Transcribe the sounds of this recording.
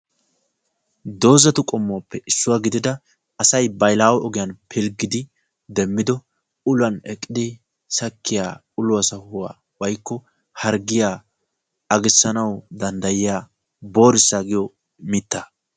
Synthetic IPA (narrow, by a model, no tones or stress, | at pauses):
d̪o̞ːzɐt̪ʊkʼɔmːʊɐpːɛʔɪsːʊwaɡɪd̪ɪd̪ɐ | ɐsɐjbɐjlaːwɔʔɔɡɪjɐnpʰɪlɡɪd̪ɪ | d̪ɛmːɪd̪ɔ | ʊlɐnɛkʼːɪd̪ɪ | sɐkʰːɪjaː | ʊlʊɐsɐhʊwa̰ː | wɐjkːɔ | hɐɾɡɪjaː | ɐɡɪsːɐnɐwd̪ɐnd̪ɐjɪjaː | bo̞ːɾɪsːaːɡɪjɔ | mɪt̪ːɐ